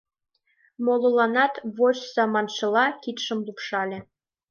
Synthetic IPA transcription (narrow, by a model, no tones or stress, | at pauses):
molŏlɑnɑt̪βot͡ɕzɑmɑnʃɤ̆lɑkit̪ʃə̆mlupʃɑlʲĕ